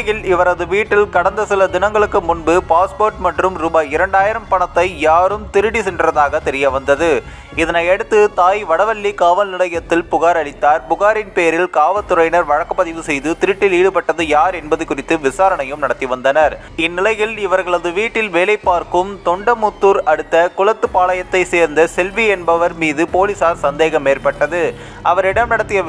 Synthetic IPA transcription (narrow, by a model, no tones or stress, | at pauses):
jɪlɪʋɐɾɐðɯʋiːʈːɪlkɐɽɐnd̪ɐsɪlɐd̪ɪnɐŋɡɐɭɯkːɯmʊnbɯpaːspoːɾʈmɐʈrɯmɾubaːɪɾɐɳɖaːjɪɾɐmpɐɳɐt̪ːɐɪjaːɾɯmt̪ɪɾɯɽisɛnɖrɐðaːɣɐt̪ɛɾɪjɐʋɐnd̪ɐðɯ | ɪðɐnɐɪɛɽɯt̪ːɯt̪aːjʋɐɽɐʋɐlːikaːʋɐlnɪlɐjɐt̪ːɪlpʊɣaːɾɐɭɪt̪ːaːɾpʊɣaːɾɪnpeːɾɪlkaːʋɐt̪ːʊɾɐɪnɐɾʋɐɻɐkːɐpːɐðɪʋɯsɛjðɯt̪ɪɾɪʈːɪliːɽɯpɐʈːɐðɯjaːɾɛnbɐðɯkːʊrɪt̪ːɯʋɪsaːɾɐɳɐjɯmnɐɽɐt̪ːiʋɐnd̪ɐnɐɾ | ɪnːɪlɐjɪlɪʋɐɾɣɐɭɐðɯʋiːʈːɪlʋeːlɐɪpːaːɾkɯmt̪ɔɳɖɐmʊt̪ːuːɾɐɽɯt̪ːɐkʊlɐt̪ːɯpaːlɐjɐt̪ːɐɪseːɾnd̪ɐsɛlʋiɛnbɐʋɐɾmiːðɯpoːlɪsaːɾsɐnd̪eːɣɐmːeːrpɐʈːɐðɯ | ʔɐʋɐɾɪɽɐmnɐɽɐt̪ːɪjɐ